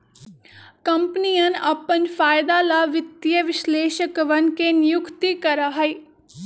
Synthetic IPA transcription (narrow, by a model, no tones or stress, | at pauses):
kəmpnijənəpənpʰaːɪd̪aːlaːʋɪt̪jəʋɪʃleːʃəkʋənkeːnɪjʊkt̪ikəɾaːɦəiː